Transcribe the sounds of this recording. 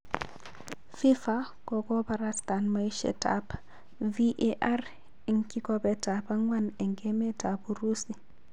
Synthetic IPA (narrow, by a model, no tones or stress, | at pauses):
fifa | kɔɡɔbaɾastanmaiʃɛ̰ta̰p | viʔeʔar | iŋkikɔbɛtapaŋwanɛŋɡɛmɛtabuɾusi